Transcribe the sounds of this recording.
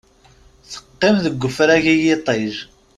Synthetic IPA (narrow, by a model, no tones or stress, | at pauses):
θə̥qːɪmðəɡʷːəfɾæʝijɪt̪ˤeʒ